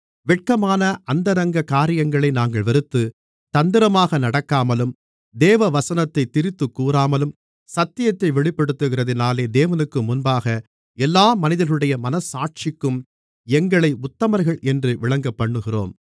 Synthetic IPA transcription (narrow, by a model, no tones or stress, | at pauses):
ʋɛʈ̚kɐmaːnɐʔɐnd̪ɐɾɐŋɡɐkaːɾɪjɐŋɡɐɭɐɪnaːŋɡɐɭʋɐɾɯt̪ːɯ | t̪ɐnd̪ɪɾɐmaːɣɐnɐɽɐkːaːmɐlɯm | d̪eːʋɐʋɐsɐnɐt̪ːɐɪt̪ːɪɾɪt̪ːɯkːuːɾaːmɐlɯm | sɐt̪ːɪjɐt̪ːɐɪʋɛɭɪpːɐɽɯt̪ːɯɣɪrɐðɪnaːleːd̪eːʋɐnɯkːɯmʊnbaːɣɐ | ɛlːaːmɐnɪðɐɾɣɯɽɐjɐmɐnɐsaːʈ̚t͡ʃɪkːɯm | ɛŋɡɐɭɐɪʊt̪ːɐmɐɾɣɐɭʔɛndrɯʋɪɭɐŋɡɐpːɐɳːɯɣɪro̰ːm